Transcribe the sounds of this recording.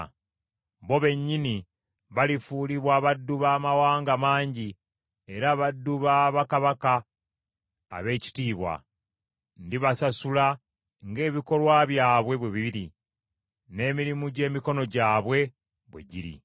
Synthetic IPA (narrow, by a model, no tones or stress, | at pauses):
βo̞βe̞ɲːini | βalifuːliβwaːβadːuβaːmawaːŋɡamaːɲɟi | e̞ɾaβadːuβaβakaβaka | βe̞ːci̥tiːβwa̰ | ndiβasasula | ŋɡe̞ːβiko̞lwaβjaːβwe̞βweβiβiɾi | ne̞ːmiɾimuɟe̞ːmiko̞no̞ɟaːβwe̞ | βwe̞̰ɟiɾḭ